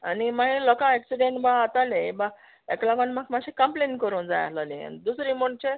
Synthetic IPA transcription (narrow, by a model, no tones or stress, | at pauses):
animaɦĩlɔkãeksiɖeɳʈbaːt̪aleba | eklaɡonmakmaɕekəmplenkəɾuːnd͡za̰ja̰lalĩa̰nid̪usɾimoɳt͡ɕe